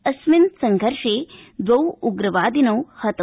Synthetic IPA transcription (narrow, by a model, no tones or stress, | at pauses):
ɐsminsɐŋɡʱɐɾʂeːd̪ʋɐwuɡɾɐʋaːd̪inɐwhɐt̪ɐ